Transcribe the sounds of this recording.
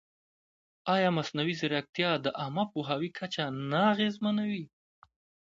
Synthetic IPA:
ɑjɑmasnawizɪɾak̚t̪jɑd̪əʔamapuɦɑwikʰat͡ʃanaːɣezmanawi

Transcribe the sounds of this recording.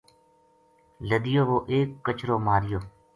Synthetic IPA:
ləd̪ɪjoːʋoːʔeːkːət͡ʃʰɾoːmaːɾɪjoː

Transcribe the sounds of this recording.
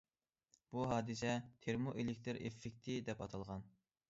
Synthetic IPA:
b̥uɦɑːd̪ɨsɛt̪ʰeɾmoʔelɪk̚ʲt̪ʰɨɾefːɪk̚ʲt̪ʰɪd̪ɛpɑt̪ʰɑlˠʁɑn

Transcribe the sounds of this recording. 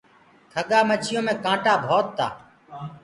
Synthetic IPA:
k̪ʰəɠaːmət͡ʃʰɪjõːmẽːkãːʈaːbʱoːt̪ːa̰ː

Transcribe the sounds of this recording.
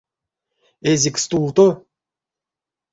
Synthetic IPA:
ezʲikst̪ulˠt̪o

